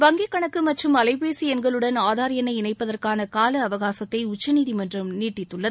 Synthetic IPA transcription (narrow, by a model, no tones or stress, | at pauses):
ʋɐŋɡekːɐɳɐkːɯmɐʈrɯmɐlɐɪpeːsiɛnɡɐɭɯɽɐnaːðaːɾɪjɐnɐɪɪnɐɪpːɐðɐrkaːnɐkaːlɐɐʋɐɣaːsɐt̪ːɐɪʊt͡ʃːɐniːðimɐndrɐmniːʈːɪt̪ːɯɭːɐ